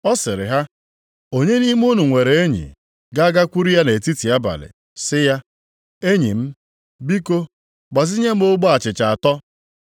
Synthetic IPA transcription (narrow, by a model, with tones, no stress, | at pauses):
ɔ˦sɪ˨ɾɪ̰˨ɦa˦ | o˦ɲe˦ni˦m˦u˦nu˨ŋʷe˨ɾe˨e˦ɲḭ˨ | ɡa˦ɡa˦kʷu˦ɾi˦ja˦ne˨ti˦ti˨a˦ba̰˨lɪ̰˨ | sɪ˦ja˦ | e˦ɲḭ˨m̩˦ | bi˦ko˦ | ɡ͡ba˨zi˦ɲe˦m̩˦o˦ɡ͡bɔ˦a˨t͡ʃɪ˨t͡ʃa˨a˨tɔ˦